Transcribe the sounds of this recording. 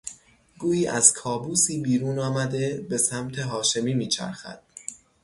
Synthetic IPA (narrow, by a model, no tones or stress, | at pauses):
ɡuːiːʔæz̥kʰɒːbuːsiːbiːɾuːnɒːmæd̪e̞be̞sæmt̪ʰe̞ɦɒːʃe̞miːmiːt͡ʃʰæ̰ɾxæ̰d̪̥